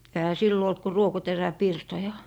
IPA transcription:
ehæ silːo olt ku ruokoteræpirtojɑ

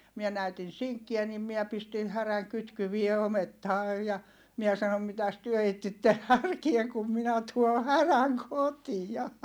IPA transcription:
miɛ næytin̞ siŋkːiæ nim miæ pistin hæræŋ kytkyʋie ometːɑː jɑ miɛ sɑnom mitæs tyø etːitːen hærkie kum minæ tuo hæræŋ kotijɑ

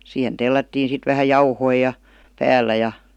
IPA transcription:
siːhen telːætːiːn sit ʋæhæ jɑuhoi jɑ pæːlˑæ jɑ

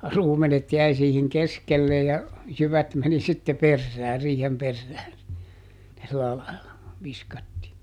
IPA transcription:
ruːmenet jæi siːhiŋ keskelːe jɑ jyʋæt meni sitːe perːæː riːhem perːæː silːæ lɑilɑ ʋiskɑtːiː

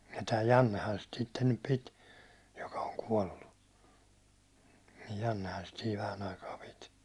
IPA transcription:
jɑ tæː jɑnːehɑn sit sitːen nyp pit jokɑ oŋ kuɒlːu jɑnːehɑn sit siːʋ ʋæhæn ɑikɑː pit

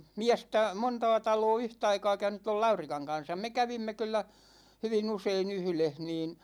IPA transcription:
miæstæ montɑː tɑloː yhtɑikɑː kæynyt toi lɑurikɑŋ kɑn̞sɑm me kæʋimːe kylˑæ hyʋin usein yhleh niːn

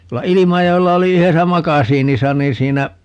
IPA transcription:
tuolːɑ ilimɑjoelːɑ oli yhesæ mɑkɑsiːnisɑ niː sˑiːnæ

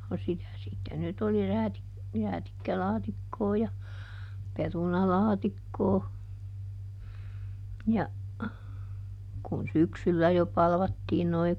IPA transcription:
no sitæ sitːe nyt oli ræːtik ræːtikːælɑːtikːoː jɑ perunɑlɑːtikːoː jɑ kun syksylːæ jo pɑlʋɑtːiːn noi

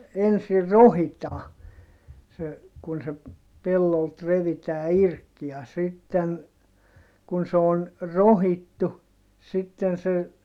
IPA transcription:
ensir rohitɑː se kun se pelːolt reʋitæː irk jɑ sitːen kun se on rohitːu sitːen se

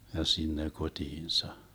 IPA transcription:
jɑ sinːe kotʲiːnsɑ

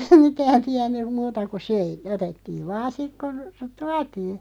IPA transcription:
mitæːn tiænːym̆ muːtɑ ku søi otetːiːʋ ʋɑːn̞ sik kon̞ tuɑtiː

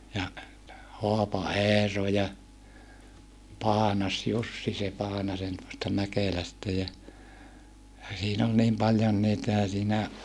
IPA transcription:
jɑ hoɑpɑeːro jɑ pɑːnɑsjusːi se pɑːnɑsen tuostɑ mækelæstæ jɑ jɑ siːn ol niːm pɑljon niːtæ jɑ siːnæ

